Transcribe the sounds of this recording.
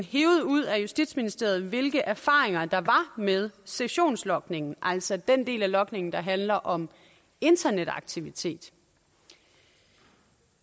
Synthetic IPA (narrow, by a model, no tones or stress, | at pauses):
nɦeːʊð̞̩ˠuð̞̰ˠæjusd̥id̥sminisd̥e̝ɐð̞̩ˠʋe̝lɡ̥əʔæɐfɑ̈ːeŋɐd̥ɑ̈ʋɑ̈með̞ˠseɕo̝̰ːnslɒ̽ɡ̥ne̝ŋn̩ʔæl̰sɒ̽d̥en̰d̥e̝̰ːlælɒ̽ɡ̥ne̝ŋn̩d̥ɑ̈ɦænlɐʔɒ̽m | e̝nd̥ɐned̥ɑ̈ɡ̥̚t͡sʰiʋit͡sʰe̝̰ːd̥